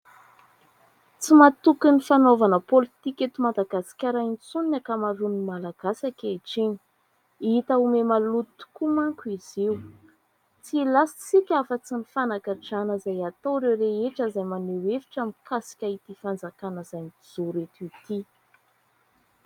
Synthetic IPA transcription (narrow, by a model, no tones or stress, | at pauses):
t͡simat̪ukinifanovanəpolit̪ikʲet̪umad̪aɡasi̥kʲaɾant͡suninakamaɾunimalaɡ̥asakʲeʈ͡ʂeɲi̥ | iit̪aumemalut̪u̥kumaŋkuizew | t͡silasi̥t͡sikʲafət͡sinifanakaʈ͡ʂanəzajat̪owɾewɾeeʈ͡ʂəzajmanewefi̥ʈ͡ʂamikasi̥kʲait̪ifand͡zakanəzajnid͡zuɾet̪it̪i